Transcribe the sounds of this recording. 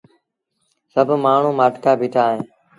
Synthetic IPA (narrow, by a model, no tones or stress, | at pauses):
səbʱmaːɳ̤ũːmaːʈkaːbʱiːʈʰaːɦẽː